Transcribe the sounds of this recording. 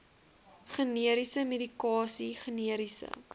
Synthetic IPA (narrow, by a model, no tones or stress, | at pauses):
χəniəɾisəmedikɑːsiχəniəɾisə̰